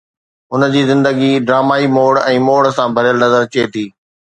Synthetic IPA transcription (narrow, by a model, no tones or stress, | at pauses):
ʊnə̆d͡ʑiːzɪ̃nd̪əɡiɖɾaːmaːimoːɽɛ̃ːmoːɽsãːbʱɐɾjəlnɐzəɾt͡ɕeːt̪ʰiː